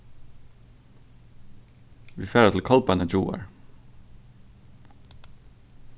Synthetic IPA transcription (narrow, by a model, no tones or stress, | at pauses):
ʋiːfeːɾət̪ʰl̩kʰɑlpɑnəd͡ʒṵːə̰ɹ